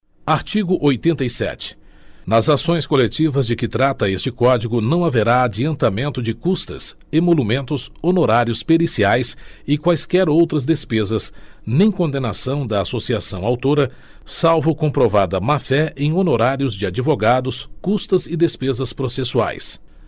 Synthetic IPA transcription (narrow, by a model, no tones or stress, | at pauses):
aɾt͡ʃiɡʊʔojt̪ẽnt̪ɐjsɛ̰t͡ʃɪ̥ | nɐzasõj̃skolet͡ʃivɐzd͡ʒɪkɪt̪ɾat̪ɐest͡ʃɪkɔd͡ʒiɡʊnɐ̃w̃aveɾaːd͡ʒiɐ̃nt̪amẽnt̪ʊd͡ʒɪkust̪ɐ̰s | ɪmolumẽnt̪ʊsonoɾaɾjiʊspelisiajsɪkwajskɛɾowt̪ɾɐzd̪espezɐs | nẽj̃kõnd̪enasɐ̃w̃d̪ɐasosiasɐ̃w̃awt̪oɾɐ | sawvʊkõpɾovad̪ɐmafɛẽj̃onoɾaɾjʊzd͡ʒɪad͡ʒivoɡad̪ʊskust̪ɐzɪd̪espezɐspɾosesua̰js